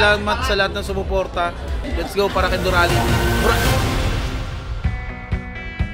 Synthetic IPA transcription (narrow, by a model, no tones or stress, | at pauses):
aːmɐt̪sɐlɐhat̪̚nɐŋsʊmʊpoɾt̪ɐ | jɐt̪sɡowpaːɾɐkɐd̪ʊɾaːlɪnmʊɾao